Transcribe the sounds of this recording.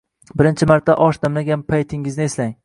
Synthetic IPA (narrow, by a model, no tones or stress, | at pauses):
bɪɾɪnt͡ʃʰɪmaɾt̪ʰːaʔɒʃd̪amlaɡʲanpʰajt̪ʰɪŋːɪznɪeslaŋ